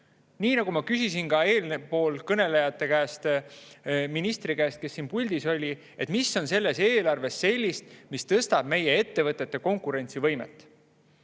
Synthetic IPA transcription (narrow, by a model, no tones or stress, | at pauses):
niːnɑɡ̥umɑkysisinkɑe̞ːlnepo̞ːlkɤne̞le̞jɑt̪ːˑe̞kæst̪ | minist̪rikæːst̪̚ke̞sːinpulʲd̪̥iso̞lʲi | e̞t̪misːo̞nse̞lːe̞se̞ːlɑrve̞sːe̞lʲːist̪mist̪ɤst̪ɑb̥̚me̞jee̞t̪ːe̞vɤt̪ːˑe̞t̪ːeko̞ŋkˑuɾe̞nʲt̪sivɤ̞jmḛt̪ːˑ